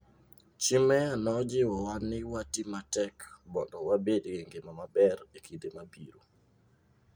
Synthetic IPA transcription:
t͡ʃɪmɛanɔd͡ʒɪwɔwanːɪwatimatɛkbɔndɔwabedɡɪŋɡɪmamabɛrekidemabḭɾu

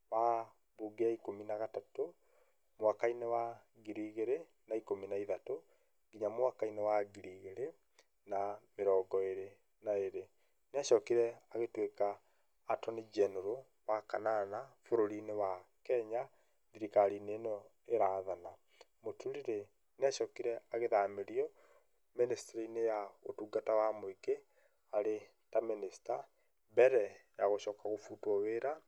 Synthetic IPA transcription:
wa | buɡeaikominaɣatato | mwakainewaɣiɾiːɣeɾe | naikominaiðato | ɡiɲamwakainewaɡiɾiːɣeɾe | nameɾɔːɡɔeɾe | naeɾe | neaʃɔːkiɾɛaɣetwekaː | tɔned͡ʒɛnoɾo | wakananafoɾoɾinewakɛɲa | ðiɾikaɾinenɔ | eɾaðana | motuɾiɾe | naʃɔkiɾɛaɣeðameɾiɔ | ministeɾiinejao̰tuːɡatawamoike | aɾe | taminista | bɛɾɛjaɣoʃɔːkaɣofutwɔweɾa

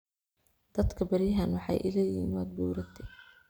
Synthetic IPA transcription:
d̪̥ɐd̪kʰɐbɐɾjɦɐnwɑħɑ̰jʔɪ̰laːjḭːnwaːd̪̚buːɾɐt̪ʰɛ

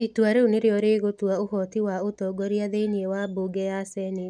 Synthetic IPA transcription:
itwaɾeoneɾeɔɾeɣot̪waohɔt̪iwaot̪ɔɡɔɾjaðeniewaboɡɛasɛne

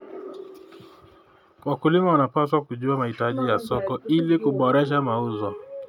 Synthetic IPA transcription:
wakulimawanapaswakuʄuamahitaʄijasɔkɔilikuɓɔɾɛʃ̬amauzɔ

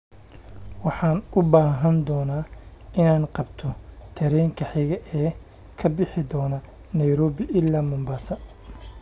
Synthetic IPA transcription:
wɑħɑːnʊbaːɦɐnd̪ɔːnaːɪnaːnqɑbt̪ʰɔt̪ʰɐɾɛjŋkʰɐħɪɣɐʔɛː | kʰɐbɪħɪd̪ɔːnɐ | nɐjɾɔːβɪʔɪlːaːmʊmbaːsɐ

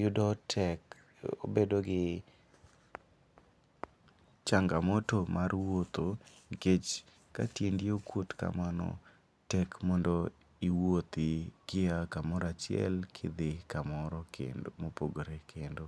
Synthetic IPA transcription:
jʊdɔtʰɛk | o̰bedoɡɪ | t͡ʃaŋɡamɔtomʔarwot̪oɡet͡ʃ | ka̰tjendjokwotka̰manɔ̰ | tɛkmɔndɔ | iwot̪ɪɡ̥ɪakamɔɾat͡ʃɪɛ̰lkʰɪ̰d̪ɪkamɔɾɔkḛnmopoɡoɾekʰendo

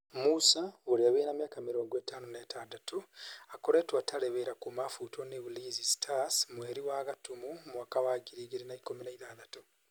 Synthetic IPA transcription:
musaoɾiaβenamjaːkamiɾoːŋɡweːtaːnoneːtaːndatuakoɾeːtwataleβeɾakumafutʰoneβulizistʰasmweɾiwaːɣatumumwakawaɡiɾiɣiɾinaikominaiðaːðatu

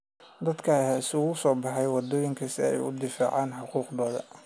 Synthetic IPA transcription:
d̪ɐd̪kʰɐhaɪsʊɣʊsɔːbɑħɑjwɑd̪ɔːjɪŋkʰɐsɪɛ̰jʊ̰d̪ɪfa̰ːʕɑːnħʊquːqd̪ɔːðɐ̰

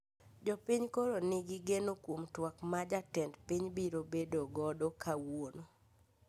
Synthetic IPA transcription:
d͡ʒɔpiɲkoɾonɪɡɪɡenokwomtwakmad͡ʒatɛndpiɲbiɾobedoɡɔdokʰawono

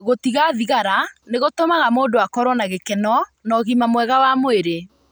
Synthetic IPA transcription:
ɣotiɣaðiɣaɾaneɣotomaɣamoːdoakɔɾwɔnaɣekɛnɔnɔɣimamwɛɣawamoeɾe

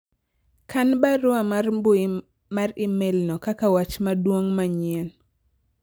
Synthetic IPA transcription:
kanbaɾʊamrbʊ | marɪmelnɔkakawat͡ʃmadwoŋmaɲen

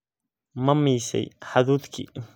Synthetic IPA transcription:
mɐmiːsɛ̰jħaðuːd̪kʰḭː

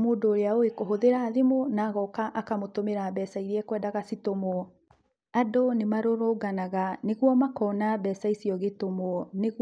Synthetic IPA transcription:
moːdoːɾeaoekoɦoðeɾaːðemonaːɣɔkaʔakamotomeɾaːbɛːsaiɾiɛkwɛːdaɣasitomoɔ | adonemaɾoɾoɡanaɣaneɣwɔmakɔːnabɛːsaisiɔɣetomoɔneɣ

